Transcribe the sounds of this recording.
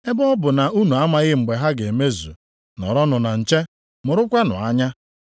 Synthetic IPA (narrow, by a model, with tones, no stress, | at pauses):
e˦bɔ˦ɔ˦bʊ˨na˨u˦nu˨a˦ma˨ɣɪ˦ŋ͡m̩˨ɡ͡be˨ɦa˦ɡe˨me˦zṵ˨ | nɔ̰˨ɾɔ˦nʊ˨na˨n̩˨t͡ʃe˦ | mʊ˨ɾʊ˦kʷa˦nʊ̰˨a˦ɲa˦